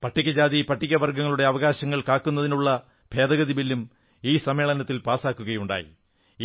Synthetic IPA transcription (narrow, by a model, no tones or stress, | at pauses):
pɐʈːikʲːɐd͡ʑaːðipɐʈːikʲːɐʋɐrɡɐŋːɐɭuɽe̞ɐʋɐɣaːɕɐŋːɐɭkaːkːunːɐðinuɭːɐ | b̥ʱe̞ːd̪ɐɣɐðibilːum | iːsɐme̞ːɭɐnɐt̪ːilpaːsaːkːuɣɐjuɳɖa̰ːjḭ